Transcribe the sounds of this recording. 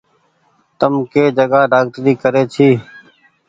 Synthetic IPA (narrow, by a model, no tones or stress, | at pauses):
t̪əmkeːd͡ʒəɡaːɖaːk̚ʈɾiːkəɾeːt͡ʃʰiː